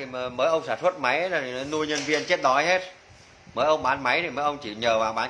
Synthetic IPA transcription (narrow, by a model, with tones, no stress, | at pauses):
məː˨˦jʔə˧wŋ͡msaː˧˩nswə˦˥t̚ma˨˦jzə˨˩˨nu˧jɲə˧nvi˧ənt͡ɕe˦˥t̚ɗɔ˨˦jɦe˦˥t̚ | məː˨˦jʔə˧wŋ͡mɓaː˨˦nma˨˦jt̪ʰi˧˩məː˨˦jʔə˧wŋ͡mt͡ɕi˧˩ɲəː˨˩vaː˨˩wɓaː˨˦